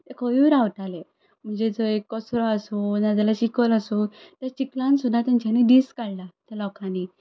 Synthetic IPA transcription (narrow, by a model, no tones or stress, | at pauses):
t̪ekʰoʋiɾawʈale | m̤əɳd͡ʑed͡zoekːɔsɾɔasunad͡ʑ̪alaɕikəlasut̪jat͡ɕiklãnsud̪ʱat̪ant͡ɕanid̪iskaɭlat̪alɔkãni